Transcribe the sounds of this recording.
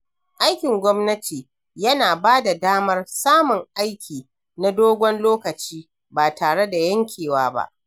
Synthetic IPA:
ʔa˦jkʲɪ˨ŋɡʷɔ˦mnɐ˦tʰiː˨ | jɐ˦naː˨baː˦da˨daː˦mɐ˦rsaː˦mʊ˨ŋʔa˦jkʲʰiː˨ | na˦doː˦ɡʷɔ˦nloː˦kɐ˨t͡ʃiː˦ | baː˨taː˨ɽe˦da˨jɐ˦ŋkʲʰeː˨waː˦ba̰˦ʔ

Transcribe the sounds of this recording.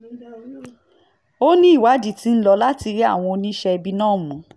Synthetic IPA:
o˦nĩ˦i˦˨wa˨˦d͡ʒi˦˨ti˨˦n̩˦lɔ˧la˦ti˧ɾi˦a̰˦˨w̃ɔ̃˧o˧nĩ˦ʃɛ˧bi˧nãː˦˨mũ˨˦

